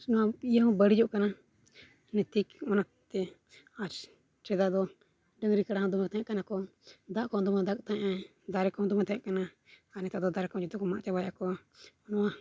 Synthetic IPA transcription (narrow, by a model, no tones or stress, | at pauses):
nɔwaijaɔ̃bəɽid͡ʒɔʔkana | nɛt̪ikɔna | t̪ɛ | at͡ʃ | t͡ʃɛd̪aʔd̪ɔ | ɖəŋɾikaɽaɦãd̪ɔmɛt̪aɲãʔkanakɔd̪aʔkɔd̪ɔmad̪ak̚t̪aɲʔa | d̪aɾɛkɔd̪ɔmɛt̪aɲãʔkana | anɛt̪ad̪ɔd̪aɾɛkɔ̃d͡ʒɛt̪ɔkɔmaʔt͡ʃabajakɔnɔwa